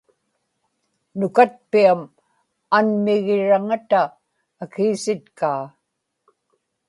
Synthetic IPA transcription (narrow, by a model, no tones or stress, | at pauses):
nʊkat̪̚piam | anmɪɣɪɻaŋat̪aː | kiːsɪt̪kaː